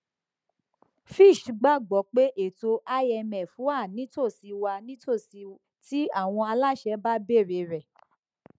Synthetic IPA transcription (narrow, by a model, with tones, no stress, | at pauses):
fi˦˨ʃɡ͡ba˦˨ɡ͡bɔ˨˦k͡pe˦ʔe˦˨to˧ʔa˦jɛ˧mɛ̃˨fũ˨˦a˦˨nĩ˨˦to˦˨si˧wa˧nĩ˦to˦˨si˧ | ti˦a˦˨w̃ɔ̃˧a˧la˦˨ʃɛ˧˦ba˦be˦˨ɾe˨˧˦ɾɛ˨